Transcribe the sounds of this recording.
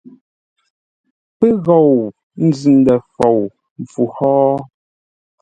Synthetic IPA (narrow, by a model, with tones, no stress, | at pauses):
pɛ˦ɣɔ˨w | n̩˦zʉ˨n̩˨˦dɛ˨fɔ˨w | m̩˨fu˨hɔː˦